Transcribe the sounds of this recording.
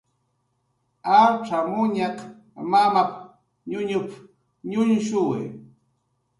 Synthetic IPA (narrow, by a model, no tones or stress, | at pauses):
aʈ͡ʂamʊɲak | mamap̚ | ɲʊɲʊp | ɲʊnʃʊwɪ̰